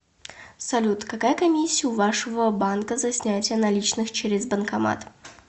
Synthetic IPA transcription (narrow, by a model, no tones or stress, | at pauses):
sɐlʲut̪kɐkajəkɐmʲisʲːɪjʊvaʂəvəbankəzɐsʲnʲætʲɪjənɐlʲit͡ɕnɨxt͡ɕeɾʲɪzbənkɐma̰t̪